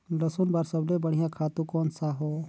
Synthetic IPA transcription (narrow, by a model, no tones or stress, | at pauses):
ləsʊnbaɾsəblebəɽ̤ɪjãkʰaːt̪ũkɔːnsaɦoː